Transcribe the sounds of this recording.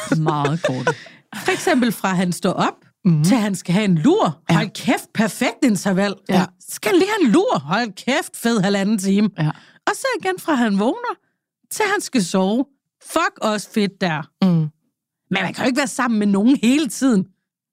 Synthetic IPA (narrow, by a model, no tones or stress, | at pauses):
mɑ̈ːð̩ˠɡ̥o̰ː | fɒ̽eɡ̥sem̰b̥l̩fʁɑ̈ɦænsd̥ɒ̰ːʔɒ̽b̥̚ | t͡sʰe̝lɦænsɡ̥æɦæe̝nluɐ̰hɒ̽l̰kʰefd̥̚pʰæɐfeɡ̥̚d̥e̝nt͡sʰɐʋæl̰ | sɡ̥æli̥ænluɐ̰hɒ̽lkʰefd̥feð̰ˠhælænn̩t͡sʰiːmə | ɒ̽sɒiɡ̥enfʁɑ̈ɦænʋɔːnɐ | t͡sʰe̝lhænsɡ̥æsɒʊ | fɒ̽ɡ̥ɒ̽sə̥fe̝d̥̚ːæɐ̰ | menhænkʰæjʊeɡ̥ʋæːɐsɑ̈m̰n̩meno̝ːn̩he̝ːlət͡sʰið̞̰ˠn̩